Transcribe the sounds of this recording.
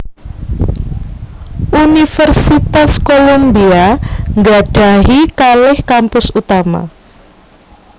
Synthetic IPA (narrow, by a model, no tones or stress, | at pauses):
ʔunifərsit̪askolombiaŋɡaɖ̥a̤ɦikalɪhkampʊsut̪ama̰